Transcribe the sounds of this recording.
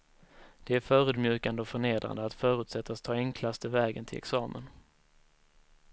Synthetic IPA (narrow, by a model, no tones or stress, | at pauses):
d̪̥ɛæɾfœːɾɵ̟ːd̪mjʉ̟ːkand̪əɔfœɳeːd̪ɾa̰nd̪əat̪fœːɾɵʉt̪sɛt̪ʰːast̪ʰːɑːɛŋkʰlast̪ʰəvɛːɡənt̪ʰɪlɛ̰ksɑːmə̰n